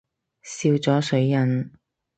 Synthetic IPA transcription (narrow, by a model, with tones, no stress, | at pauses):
siː˧wt͡sɔː˨˥sɵ˨˥ɥjɐ˨˩n